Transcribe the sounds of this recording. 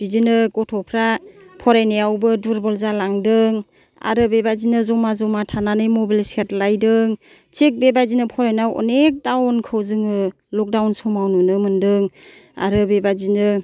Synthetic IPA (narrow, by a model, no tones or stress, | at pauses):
b̥izinɯɡɔtʰɔpʰɾapʰɔɾajnejawbɯduɾbɔlzalaŋdɯŋ | a̰ɾɯbebazinɯzɔmazɔmatʰananɯjmɔbilset̚lajdɯŋ | t͡ʃʰik̚bebazinɯpʰɔɾajnawʔɔ̰nek̚dawnkʰɯwzɯŋɯ | lɔk̚dawnsɔmawnunɯmɯndɯŋ | a̰ɾɯbebazinɯ